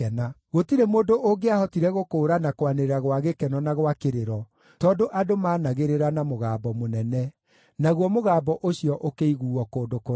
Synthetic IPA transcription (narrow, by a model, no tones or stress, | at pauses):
ɛnaɣotiɾemoːdoʔoɡeahɔtiɾɛɣokoːɾanakowaneɾeɾaɣwaɣekɛnɔnaɣwakeɾeɾɔ | tɔːdoʔadomaːnaɣeɾeɾanamoɣaːbɔmonɛnɛ | naɣwɔmoɣaːbɔʔoɕiɔʔokeiɣuːɔkoːdoko